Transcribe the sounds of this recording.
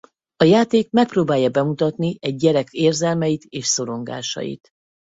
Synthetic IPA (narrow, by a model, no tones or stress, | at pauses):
ɒjaːt̪eːk̚mɛk̚proːbaːjɒbɛmut̪ɒt̪niɛɟːɛɾɛkʰeːrzɛlmɛjit̪eːʃso̞ɾo̞ŋɡa̰ːʃɒ̰jḭt̪